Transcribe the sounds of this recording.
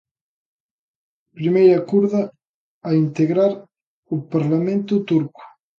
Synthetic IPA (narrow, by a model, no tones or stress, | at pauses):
pɾimejɾakuɾðaː | int̪eɣɾaɾ | upaɾlamẽnt̪ʊt̪uɾku̥